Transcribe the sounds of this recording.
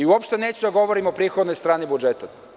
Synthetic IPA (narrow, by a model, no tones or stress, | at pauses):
iɔpʃt̪ɛnɛt͡ɕud̪ɐɡɔvoɾimopɾixod̪nojst̪ɾanibud͡ʒɛt̪ə